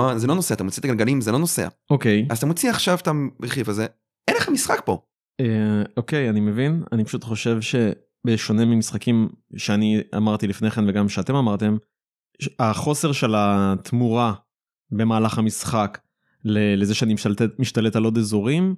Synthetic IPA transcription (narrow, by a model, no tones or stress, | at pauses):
azelo̞noseat̪amot͡sit̪aɡalɡalimzelo̞nosea̰ʔoke̞jazat̪amot͡siaχʃavt̪abeχifaze | ʔenleχamisχak̚po̞ | eo̞ke̞janimevina̰nipḁʃutχo̞ʃe̞vʃe̞ | beʃo̞nemimisχakimʃeania̰maʁt̪ilifne̞χenveɡamʃeat̪e̞mamaʁt̪e̞m | aχo̞seʁʃe̞lat̪muʁa | be̞maːlaχamisχak | lelezeʃeanimiʃt̪alet̪alo̞d̪ezoʁim